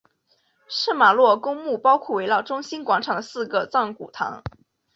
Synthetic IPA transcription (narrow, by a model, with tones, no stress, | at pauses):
ʂɤ˥˩ma˨˩lwɔ˥˩kʊ˥ŋmu˥˩pɑ˥ʊkʰwɔ˥˩we˧˥ɪlɑ˥˩ʊʈ͡ʂʊ˥ŋɕi˥nkwɑ˧˥ŋʈ͡ʂʰɑ˨˩ŋd̪ə˦sɹ̩˥˧ɡə˩t͡sɑ˥˩ŋku˨˩t̪ʰɑ̰˧˥ŋ